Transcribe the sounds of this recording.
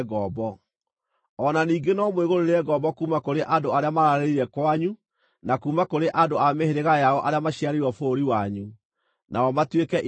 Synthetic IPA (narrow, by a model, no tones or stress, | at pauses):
ɣɔːbɔ | ɔnaniːɡenɔmoeɣoɾoɾeɛɡɔːbɔkuːmakoɾeʔandoaɾeamaɾaɾeiɾɛkwaɲu | nakuːmakoɾeʔadoameheɾeɣajaɔʔaɾeamaɕiaɾewɔfoːɾiwaɲu | nʔaɔmatwekɛʔ